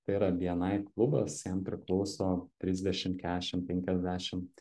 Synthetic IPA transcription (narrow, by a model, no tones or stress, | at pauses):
t̪ɐɪiːɾɐʋʲiɛnɐɪklˠʊbɐsjɛmpʲɾʲɪklˠɒʊsoːt̪ʲɾʲɪzʲd̪ʲɛʃʲɪmkʲæːdʲɛʃʲɪmpʲɛŋʲkʲɛzʲd̪ʲæːʃʲɪm